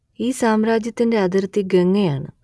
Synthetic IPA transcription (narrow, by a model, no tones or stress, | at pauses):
iːsaːmɾaːd͡ʑjɐt̪ːindeɐd̪ɐɾt̪ːiɡɐŋːeaːɳɨ